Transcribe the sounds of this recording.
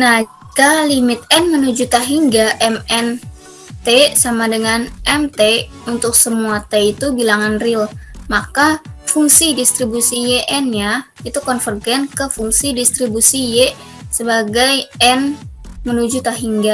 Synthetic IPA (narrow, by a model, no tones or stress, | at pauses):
nahd͡ʒ | kalimɪt̪̚ɛnmənud͡ʒut̪aɦiŋɡaʔɛmɛn | t̪esamadəŋanʔɛmt̪e | unt̪ʊksəmuat̪eit̪ubilaŋanrɪlmakafuŋsidist̪ɾibusijeʔɛnja | it̪ukɔnfərɡɛnkəfuŋsidist̪ɾibusije | səbaɡajɛn | mənud͡ʒut̪aɦiŋɡa